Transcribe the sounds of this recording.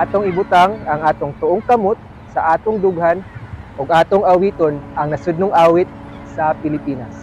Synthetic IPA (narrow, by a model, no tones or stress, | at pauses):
aːt̪oŋɪbʊt̪aŋɐŋʔaːt̪oŋt̪ʊʔoŋkɐmot̪̚ | sɐʔaːt̪oŋd̪ʊɡhanʔʊɡʔaːt̪oŋʔɐwiːt̪onʔɐŋnɐsʊd̪̚nʊŋʔaːwɪt̪̚ | sɐpɪlɪpiːnas